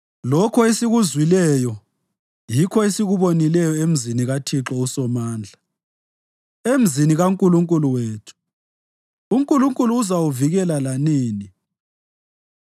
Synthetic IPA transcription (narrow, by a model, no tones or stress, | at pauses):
lɔkʰɔesiɣuzwilɛjɔ | jikʰɔesiɣuβonilɛjɔem̩ziniɣatʰiǁɔusɔmaːnd͡ɮʱa | em̩ziniɣaŋkʼuluŋkʼuluweːtʰu̥ | uŋkʼuluŋkʼuluːzawuviɣɛlalaniːni